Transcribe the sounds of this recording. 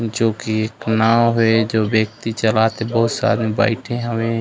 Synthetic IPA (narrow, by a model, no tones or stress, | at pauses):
d͡ʒoːkieːknaːwɦoed͡ʒoːbjək̚t̪it͡ʃəlat̪ebəɦʊt̪sa̰ːɾmeba̰ːɪʈʰẽɦəmẽ